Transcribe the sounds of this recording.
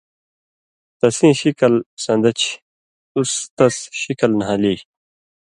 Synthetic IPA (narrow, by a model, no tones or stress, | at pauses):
t̪ɐsĩːɕikɐlsɐ̃nd̪ɐt͡ɕʰ | ust̪ɐsɕikɐlnɦãːliː